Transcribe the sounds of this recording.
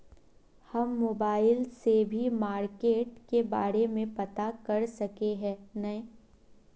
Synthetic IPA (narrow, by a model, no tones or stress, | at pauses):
hɐmːoːbaːɪlsebʱimaːɾkeːʈkeba̰ːɾemẽpɐt̪akɐɾsɐkeɦɛ̃ːnɐɦĩː